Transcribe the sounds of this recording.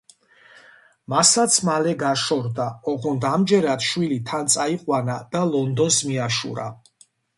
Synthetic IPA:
masat̪sʰmalɛɡaʃɔɾd̪aɔʁɔnd̪amd͡ʒɛɾad̪ʃwilit̪ʰant̪sʼaiqʼwanad̪̥alɔnd̪ɔnsmiaʃṵɾa̰

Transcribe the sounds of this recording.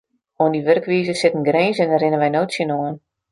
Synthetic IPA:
oəndiʋørkʋiːzəsɪtən̩ɡreːnsɛnərɪnənʋɛjnoːtsjənoən

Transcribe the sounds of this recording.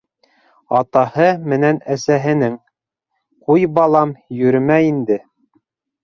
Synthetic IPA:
ɑt̪ɑhɤmɘ̆nænæsæɦɘ̆nɘŋ | qujbɑlˠɑmjɵ̆ɾɘ̆mæind̪ɘ

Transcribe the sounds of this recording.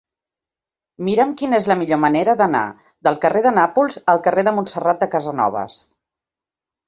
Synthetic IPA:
miɾəmkinəezləmiʎoməneɾəðəna̰ | ðəlˠkəreðənapulˠzəlˠkəreðəmunsərat̪̚d̪əkəzənɔ̰β̞ə̰s

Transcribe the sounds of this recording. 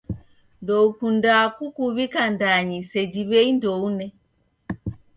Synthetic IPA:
ndɔukundakukuβikandaɲisɛd͡ʒiβɛindɔunɛ

